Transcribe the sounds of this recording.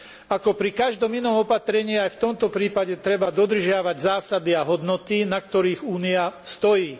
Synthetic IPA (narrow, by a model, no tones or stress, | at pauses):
akɔpɾikaʒd̪ɔminɔmɔpat̪ɾɛɲiːajft̪ɔmt̪ɔpɾiːpaɟɛt̪ɾɛbad̪ɔd̪r̩ʒɪaʋaɟzaːsad̪iaɦɔd̪nɔt̪inak̚t̪ɔɾiːɣuːniast̪ɔjiː